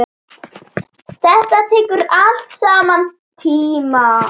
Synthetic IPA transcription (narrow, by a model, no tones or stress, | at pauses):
θɛht̪at̪ʰɛːkʏɾal̥t̪saːman | t̪ʰiːma